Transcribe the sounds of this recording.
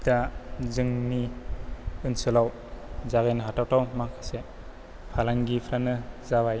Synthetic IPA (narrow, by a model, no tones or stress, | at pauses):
tazɯŋni | ɯnsɯlaw | zaɡejnɦatawtawmaŋkʰḁse | pʰalaŋɡipʰɾanɯzabaj